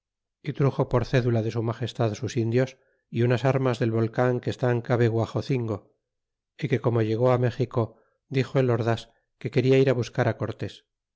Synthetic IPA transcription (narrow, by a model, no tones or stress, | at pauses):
it̪ɾuxo̞poɾθe̞ðulaðe̞sumaχe̞st̪aðsusind̪jo̞s | iunasaɾmazðe̞lβo̞lkaŋkeːst̪aŋkaβeɣwaχo̞θiŋɡo̞ | ike̞ko̞mo̞ʝe̞ɣ̞o̞ame̞xiko̞ | d̪ixo̞elo̞ɾðas | ke̞ke̞ɾiaiɾaβuskaɾako̞ɾt̪es